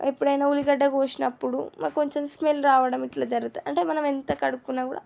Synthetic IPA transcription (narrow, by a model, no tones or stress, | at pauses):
ipːuɽɐjnaːuliɡɐɖːɐɡoːt͡ʃinɐpːuɽṵmɐko̞ɲt͡ʃemsmelɾaːʋɐɽɐmiʈlɐːd͡ʒɐɾɡut̪aɐɳʈeːmɐnɐment̪ɐkɐɽukːunːaːkuːɽa̰ː